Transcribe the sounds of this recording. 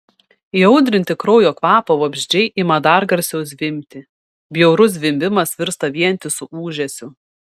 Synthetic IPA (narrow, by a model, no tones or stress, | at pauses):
iɒʊd̪ʲɾʲɪnʲt̪ʲɪkɾɔʊjoːkʋɑːpɐʋoːbʲʒʲd͡ʒʲɛɪʔɪmɐd̪ɑɾɡɐɾʲsʲɛʊs̬ʋʲɪmʲt̪ʲɪ | bʲjɛʊɾʊs̬ʋʲɪmʲbʲɪmɐsʋʲɪɾst̪ɐʋʲiɛnʲt̪ʲɪsʊʔuːʒʲɛsʲʊ